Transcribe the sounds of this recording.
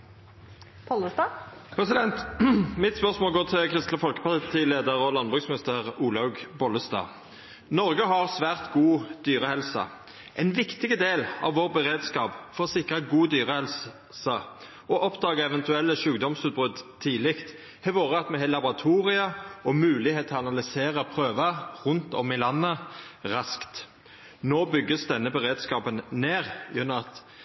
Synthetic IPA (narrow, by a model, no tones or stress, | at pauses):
pʰɔləst̪ɑpʰɾɛsɪd̪ɛnt̪mɪt̪spœʁsmoːlɡoːt̪ʰɪlkʰʁɪst̪ləfɔlkə̥pʰɑlt̪ʰiːleːd̪əʁɔlɑnbʁʉːɡsmɪnɪst̪əʁuːlɑʉɡbɔləst̪ɑ̰ː | nɔʁɡəɦɑʁsʋæːʁt̪ɡuːd̪̥yːʁəhɛlsɑ̰ | ʔɛnʋɪkt̪ɪɡəd̪eːlɑ̰ʋʋoːʁbəʁeːd̪skɑːpfɔʁɔsɪkʁəɡuːd̪yːʁəhɛls | sɑ | ɔʔɔpd̪ɑːɡəɛʋɛnt̪ʉɛlːəʃʉːɡd̪ɔmsʉːt̪̚bʁʉd̪t̪ʰiːlɪkt̪ | hɛʋoːʁəɑt̪mɛɦɛlɑbɔʁɑt̪ʰuːʁɪəɔmʉːlɪheːt̪ʰːɑnɑlɪseːʁəpʰʁøːʋɑʁʉnt̪ɔmːɪlɑnːəʁɑskt̪ | noːbʏɡːəsd̪ɛnːəbɛʁeːd̪skɑːpənneːʁjʉnːʊmɑt̪